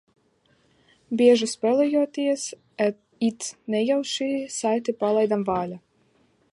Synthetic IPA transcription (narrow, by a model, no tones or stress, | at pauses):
bʲiɛʒuspʲɛlˠɛjɔɔt̪iɛs | ɛ | it̪nɛjawʃiːsajt̪ipalˠajd̪amvaːlʲa